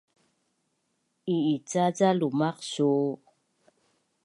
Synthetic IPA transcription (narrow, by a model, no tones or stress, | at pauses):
iit͡sat͡salumaqsuː